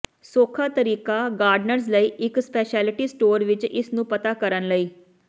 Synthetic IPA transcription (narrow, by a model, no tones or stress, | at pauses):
soːkʰaːt̪əɾiːkaːɡaːɾɖnəɾzləiːʔɪkspɛːʃɛːlɪʈiːsʈoːɾʋɪt͡ʃɪsnũːpət̪aːkəɾənləiː